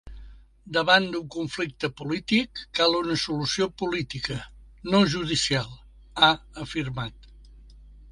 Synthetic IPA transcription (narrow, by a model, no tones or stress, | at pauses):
d̪əβand̪uŋkuɱflik̚t̪əpulit̪ikːalˠunəsulusiopulit̪ikənoʒuðisialˠ | aəfiɾmat̪